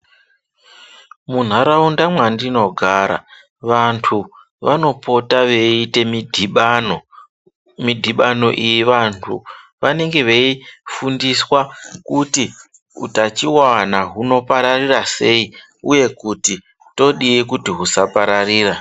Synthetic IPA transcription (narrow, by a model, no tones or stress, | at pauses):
mun̤aɾaundamwandino̞ɡʱaɾa̰ | ʋantʰu | ʋano̞po̞taʋe̞ite̞midʱɓno | midʱiɓano̞̰ʔijiʋantʰṵʋane̞ŋɡe̞ʋe̞ifundiswakuti | ṵtat͡ʃiwanaɦuno̞paɾarirase̞i | uje̞kuti | to̞ɗiikutiɦusapaɾariːra